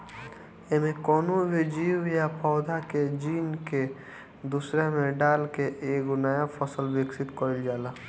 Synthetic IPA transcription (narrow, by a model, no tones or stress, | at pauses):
emẽkɔːnubʱid͡ʒiːwjapʰɔːd̪ʱaked͡ʒiːnke | d̪usɾemẽɖaːlkeʔeːɡʊnajapʰəsəlbɪksɪt̪kɔɾɪld͡ʒaːlaː